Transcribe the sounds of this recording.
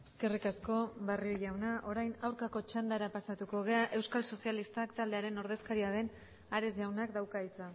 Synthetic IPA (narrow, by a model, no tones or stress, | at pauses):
e̥ske̞rikasko̞barioʝawnaʔo̞ɾajnawɾkako̞t͡ʃand̪aɾapasat̪uko̞ɣ̞e̞aʔe̞wskalso̞sialist̪akt̪ald̪e̞aɾe̞no̞ɾðe̞skaɾiaðe̞n | aɾe̞zʝawnakd̪awkait͡sa